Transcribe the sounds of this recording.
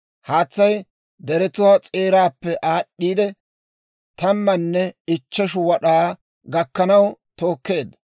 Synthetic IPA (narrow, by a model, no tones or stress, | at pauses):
haːt͡sːɐj | d̪ɛɾɛt̪ʊwaːt͡sʼeːɾaːpːɛʔaːɗːiːd̪ɛ | t̪ɐmːɐnːɛɪt͡ʃːɛʃʊwɐɗaː | ɡɐkːɐnɐwt̪o̞ːkːe̞ːd̪